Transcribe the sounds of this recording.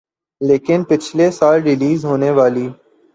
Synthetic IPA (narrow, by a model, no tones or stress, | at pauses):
leːkɪnpɪt͡ʃʰleːsaːlɖɪliːzɦoːneːʋaːliː